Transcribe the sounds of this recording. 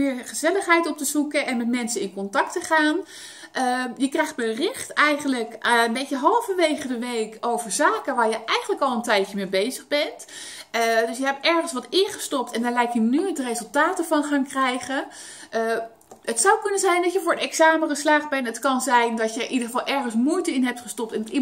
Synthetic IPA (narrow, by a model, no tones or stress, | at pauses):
mɪːɹχəzɛləχɦɛjtɔp̚təzukəʔɛnmɛtmɛnsənɪnkɔntɑk̚təχaːn | ʔəjəkrɛjχt̚bərɪχtɛjχənləkəənbejcəɦɑlˠvəʋejχədəʋejkowvəɹzaːkəʋaːɹjəʔɛjχənləkɑlˠəntɛjəmeːbejzəχbɛnt | dɵsjəɦɛp̚tɛɹχənsʋɑtɪχəstɔp̚tɛndaːɹlɛjkjənyədərezɵlˠtaːtəvɑnχaːnkrɛjχə | ətsawkɵnənzɛjndɑtjəvʊːɹənɛksaːməχəslaːχbɛnətkɑnzɛjndɑtjəʔidəχəvɑlˠʔɛɹχənsmujtəɪnɦɛp̚tχəstɔp̚tɛnɑti